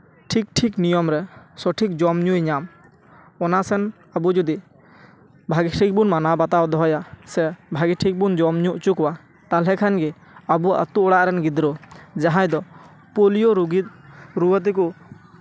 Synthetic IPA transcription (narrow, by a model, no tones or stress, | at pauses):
ʈʰik̚ʈʰiknijɔmɾɛsɔʈʰik̚d͡ʒɔmɲujɲam | ɔnasɛn | abud͡ʒɔd̪i | bʱaɡiʈʰik̚bunmanabat̪awd̪ɔɦɔjasɛbʱaɡiʈʰik̚bund͡ʒɔmɲuʔt͡ʃukwa | t̪alɦɛkʰanɡɛ | abua̰t̪uʔɔɽaʔɾɛnɡid̪ɾɔd͡ʒaɦãjd̪ɔ | polijoɾuɡit̪̚ɾuwət̪̬ɛku